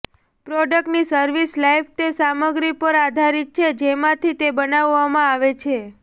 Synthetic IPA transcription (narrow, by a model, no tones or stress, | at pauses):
pɾɔɖək̚ʈnisəɾʋislajfʰt̪esaməɡɾipəɾad̪ʱaɾit̪̚t͡ʃʰed͡ʒemãt̪ʰit̪ebənaʋːamãaʋet͡ʃʰe